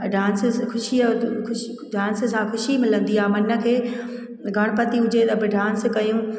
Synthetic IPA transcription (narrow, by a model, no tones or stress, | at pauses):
ɖaːnskʰʊʃiʊ | ɖaːnssãkʊʃimɪlə̃nd̪iaːmɐnə̆kʰeː | ɡʱɐɽ̃pɐt̪iʊd͡ʑet̪ɐbɪɖaːnskɐjũː